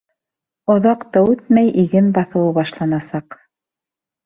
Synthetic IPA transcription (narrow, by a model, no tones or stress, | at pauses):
ŏðɑqt̪ɤʉt̪̚mæjʔiɡɘnbɑθɤ̆wɤβɑʃlˠɑnɑsɑq